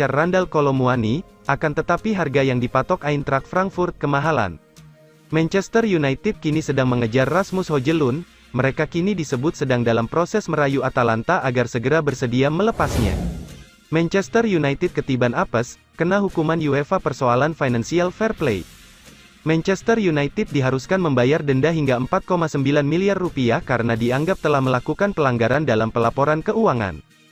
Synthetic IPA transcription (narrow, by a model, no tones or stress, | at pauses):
arːandalkolomuani | ʔakant̪ət̪apiɦarɡajaŋdipat̪ɔkaint̪ɾak̚fɾaŋk̚furt̪̚kəmaɦala̰n | mɛnt͡ʃɛst̪ərjunait̪ɪd̪̚kinisədaŋməŋəd͡ʒarːasmʊshod͡ʒəlʊn | məɾekakinidisəbʊt̪̚sədaŋdalampɾosɛsməɾajuat̪alant̪aʔaɡarsəɡəɾabərsədiamələpasɲa̰ | mɛnt͡ʃɛst̪ərjunajt̪ɪd̚kət̪ibanapəs | kənaɦukumanjuefapərsoalanfajnansialfɛrplej | mɛnt͡ʃɛst̪ərjunait̪ɪt̪̚diɦaɾuskanməmbajardəndaɦiŋɡaəmpat̪̚komasəmbilanmiliarːupiahkaɾənadiaŋɡap̚t̪əlahməlakukanpəlaŋɡaɾandalampəlapoɾankəuaŋa̰n